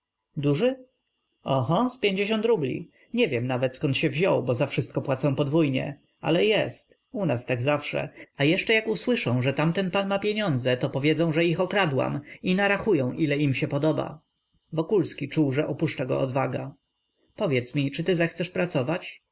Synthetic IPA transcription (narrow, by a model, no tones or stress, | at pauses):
d̪uʐɘ | ɔxɔspʲjeɲd͡ʑeɕɔ̃nt̪ɾublʲḭ | ɲɛvʲjɛmnavɛt̪skɔnt̪ɕɛvʑɔwbɔzafʂɘst̪̚kɔpwat̪sɔ̃w̃pɔd̪vujɲɛ̰ | a̰lɛjɛst̪ | unast̪aɡzafʂɛ̰ajɛʂt͡ʂɛjakuswɘʂɔ̃w̃ʐɛt̪amt̪ɛnpanmapʲjeɲɔnd̪zɛt̪ɔpɔvʲjɛzɔ̃w̃ʐɛixɔkɾad̪wa̰minaɾaxujɔ̃w̃ʔilɛimɕɛpɔd̪ɔba̰ | vɔkulskʲit͡ʂuwʐɛʔɔpuʂt͡ʂaɡɔ̰ʔɔ̰d̪vaɡa | pɔvʲjɛt̪smʲit͡ʂɘt̪ɘzɛxt̪sɛʂpɾat̪sɔvat͡ɕ